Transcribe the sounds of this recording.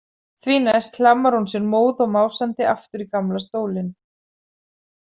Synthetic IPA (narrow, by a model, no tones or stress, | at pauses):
θviːnaɛst̪l̥amːaɾ̥hunsjɛnmoːwðɔɣmaːwsant̪ɪaft̪ʏɾikamlast̪oːwlɪn